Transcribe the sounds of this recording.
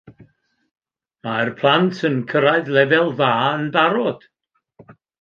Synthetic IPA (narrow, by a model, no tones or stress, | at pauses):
marpʰlˠantʰənkʰəɾaɨðlˠɛvɛlˠvaːənbaɾɔd̥